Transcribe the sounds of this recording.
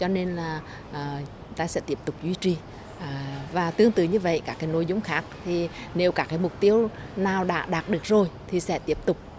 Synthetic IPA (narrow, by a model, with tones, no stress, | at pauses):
t͡ɕɔ˧ne˧nlaː˨˩ | ʔː | t̪aː˧sɛ̰˧˥t̪i˦˥əp̚t̪ʊ˨˩k͡p̚zwi˧˦t͡ɕi˨˩˨ | vaː˨˩t̪ɨ˧əŋt̪ɨ̰˧˩ɲɨ˧və̰˧˨jkaː˦˥kːaː˨˦jno˧jzʊ˧˦ŋ͡mxaː˦˥k̚t̪ʰi˨˩ne˨˦wkaː˧˦˥kaː˨˦jmʊ˨˩k͡p̚t̪i˧əwnaː˨˩wɗa̰ː˧˥ɗaː˨˩t̚ɗɨ˨˩ək̚zo˨˩jt̪ʰi˨˩sɛ̰˧˥t̪i˦˥əp̚t̪ʊ˨˩k͡p̚